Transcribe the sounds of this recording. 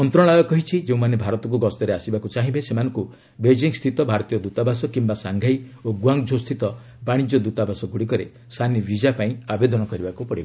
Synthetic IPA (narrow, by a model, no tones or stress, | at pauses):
ɔnt̪ɾɔɭ̃ajɔkɔɦit͡ʃʰid͡ʒeũmanebʱaɾɔt̪ɔk̬uɡɔst̪ɔɾeasibakut͡ʃaɦĩbesemanɔ̃ŋku | bed͡ʒiŋst̪ʰit̪ɔbʱaɾɔt̪ijɔd̪ut̪abasɔkimbasaŋɡʱajoɡuaŋd͡ʒʱost̪ʰit̪ɔ | baɽ̃id͡ʒɔd̪ut̪abʱasɔɡuɽikɔɾe | sʰanibid͡ʒapaĩabed̪ɔnɔkɔɾibakupɔɽiba